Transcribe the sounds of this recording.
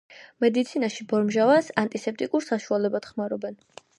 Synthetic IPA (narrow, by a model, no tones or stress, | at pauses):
mɛd̪it̪sʰinaʃibɔɾmʒavasant̪ʼisɛp̚t̪ʼikʼuɾsaʃualɛbad̪̥χmaɾɔbɛn